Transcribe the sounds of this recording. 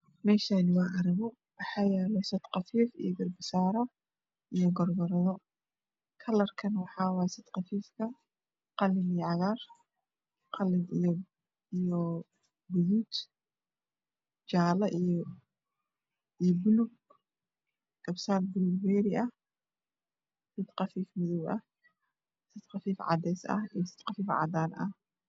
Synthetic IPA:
mɛːʃaːnɪwɑːʔɐɾɪɣɔ | wɑħɑːjɛːlɛsɐd̪qɑfiːfḭjɔɡɐrbɪsaːɾɔ | ʔijɔɡɔrɡɐɾɐðɔ | kʰɐlɐrkʰɐnwɑħɑːwɑsɐd̪qɑfiːfkʰɐ | qɑlːɪnijʕɑɣaːr | qɑlɪni | ijɔ | bɨzut̪ | d͡ʒalɐʔɨjo | ʔɨjobɨluɡ | kʼɐbsalbɨluɡbeɾiɐ | sɨt̪qɐfifmɨzɨβʔɐ | sɨt̪xɐfifʕa̰d̪esɐ̰ɨjosɨ̥t̪qɐfifʕa̰d̪anʔɐ

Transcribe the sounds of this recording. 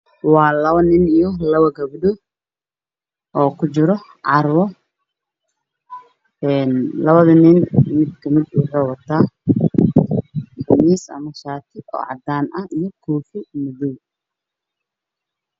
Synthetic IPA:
wɑːlɐβɐnɪnijɔlɐβɐɡɐbɖʊ | ʔɔːkʰʊt͡ʃɪɾɔ | ʕɑrwɔ | ɛːnlɐβɐðɐnɪnmɪd̪kʰɐmɪd̪uːħɔwɐt̪ʰaː | ħʊmiːsɐ̰mɐʃaːt̪ʰɪɔ̰ːʕɑ̰d̪aːnʔɐijɔkʰuːfɪmʊðuw

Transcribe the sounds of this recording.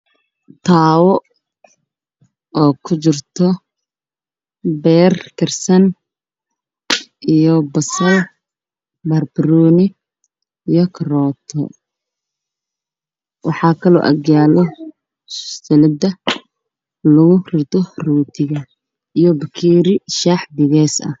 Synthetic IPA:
t̪ʰaːwɔ | ɔːkʰʊt͡ʃɪrt̪ʰɔ | bɛːrkʰɐrsɐn | ʔijɔbɐsɐl | bɐrbɾɔːnɪ | ijɔkʰɐrɔːt̪ʰɔ̰ | wɑħɑːkʰɐlɔ̰ːʔɐ̰ɡjaːlɛ | sʊ̥st̪ʰɛlɪd̪ɐ | lʊɣʊrɪrt̪ʰɔruːt̪ʰɪɣɐ | ijɔbɐkʰiːɾɪʃaːħbɪɣɛːsɐ̰h

